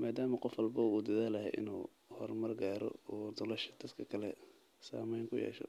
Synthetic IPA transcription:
maːd̪aːmɐqɔfwɔlbɐuːd̪ɐðaːlɐhɛʔɪ̰nuː | hɔrmɐrɡaːɾɔ̰ɔːd̪ɔlɛʃɐ̥d̪̥ɐd̪kʰɐkʰɐlɛ | sa̰ːmɛjŋkʰʊjɛ̰ːʃɔ̰

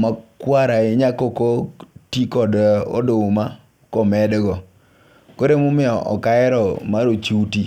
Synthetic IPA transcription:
makwaɾaɪɲakokotikɔdɔ̰dʊma | kɔmɛdɡɔ | koɾemʊmɪɔʔɔ̰kaɛɾɔmaɾot͡ʃiuti

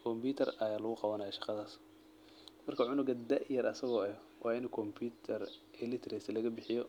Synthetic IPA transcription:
kʰɔmbʰiːt̪ʰɐrɐjaːlʊɣʊqɑβɐnɐjɔʃɑqɑðaːs | mɐrkʰɐʕʊnʊɡɐd̪ɐʔjɐɾɐsɐɣɔɛ | wʔɑːɪnkʰɔmpʰut̪ʰɐrɛlɪt̪ʰɾɛslɐɣɐbɪħɪjɔ

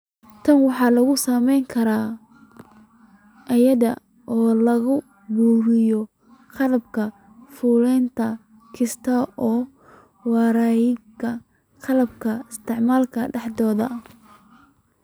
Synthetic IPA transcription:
t̪ʰɐnwɑħɑːlɐɣʊsɐmɛjŋkʰɐɾaː | ʔɐjɐðɐ̰ | ʔɔːlɐɣʊ | buːɾɪjɔ | qɑlɐbkʰɐ | fʊlɛjnt̪ʰɐ | kʰɪst̪ʰɐɔː | wɑːɾajɪkʰɐ | qɑlɐb̚kʰɐɪst̪ʰɪʕmaːlkʰɐɖɛħd̪ɔːðɐ

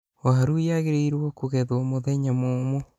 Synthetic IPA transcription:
waɦaɾuijaɣeɾeiɾwokoɣeðwomoðeɲamomo

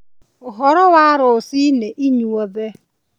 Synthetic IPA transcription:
ʊɦɔɾɔwaɾʊsineʔiɲuoðe

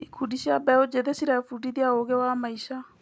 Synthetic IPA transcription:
ikʰudiɕiabɛod͡ʑeðesiɾafudiðiaoɣewamaiʃa

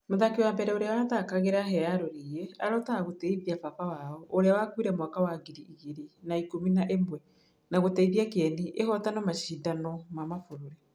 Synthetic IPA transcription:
moðakewambɛɾɛoɾeawaðakaɣeɾaɦɛaɾoɾiɛa̰ɾɔtaaɣotɛiβiafaβawaɔoɾeawakwiɾɛmwakawaɡiɾiiɣeɾinaikominaʔemwɛ | naɣotɛiβjakɛniʔehɔtanɔmaʃiːdanɔmamafoɾoɾɛ

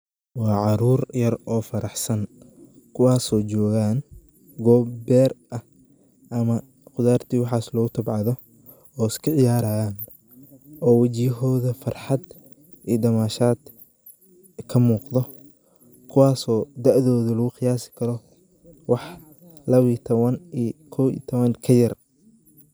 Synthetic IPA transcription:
wɑːʕɑɾuːrjɐrɔːfɐɾɑħsɐn | kʰʊwɑːsɔːt͡ʃɔːɣaːn | ɡɔːbbɛːrʔɐh | ʔɐmɐ | qʊðaːrt̪ʰiːwɑħɑːslɔːɣʊt̪ʰɐbʕɑðɔ | ɔːɪskʰɐʕɪjaːɾaːjaːn | ʔɔːwɐt͡ʃiɦɔːðɐfɐrħɑd̪ | ʔiːd̪ɐmaːʃaːd̪̥ | kʰɐmuːqðɔ | kʰʊwɑːsɔːd̪ɐʕðɔːðɐlɐɣʊxɪjaːsɪ̥kʰɐɾɔ | wɑħ | lɐβit̪ʰɔβɐnikʰɔwḭt̪ʰɔβɐnkʰɐjɐr

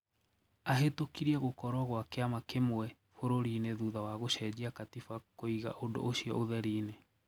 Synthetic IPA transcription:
aɦetokiɾiɛɣokɔɾɔɣwakeamakemwɛ | foɾoɾineðuðawaɣoɕɛd͡ʑiakatifakoiɣa̰ʔodo̰oɕiɔ̰oðɛɾiːne

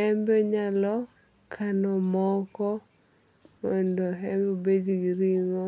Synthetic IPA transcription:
ɛmbɛɲalɔ | kʰanɔmɔkɔ | mɔndɔɦɛmbobed͡ʒɡiɾiŋɔ

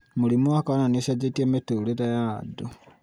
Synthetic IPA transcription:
mulimwakaonanesad͡ʒetemetuletajado

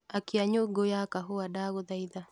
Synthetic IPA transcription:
akiaɲoɡojakaɦuadaɡod̪ajd̪a

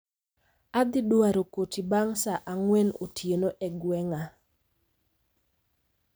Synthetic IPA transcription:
ad̪ɪdwaɾokotibaŋsaʔaŋwɛnotʰjenoʔɛɡwɛŋa

